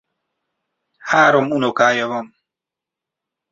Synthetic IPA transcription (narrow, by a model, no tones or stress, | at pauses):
haːɾomunokaːjoβom